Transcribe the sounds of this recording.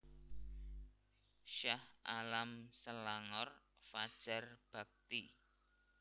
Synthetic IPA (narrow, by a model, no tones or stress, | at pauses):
ʃahʔalamsəlaŋɔr | fad̥ʒ̥a̤rb̥a̤k̚t̪i